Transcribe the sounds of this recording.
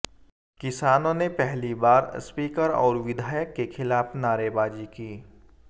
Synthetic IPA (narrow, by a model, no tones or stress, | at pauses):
kɪsaːnõnepɛɦlibaːɾspiːkəɾɔ̰ːɾʋɪd̪ʱaːjəkːexʰɪlaːfnaːɾebaːd͡ʒikiː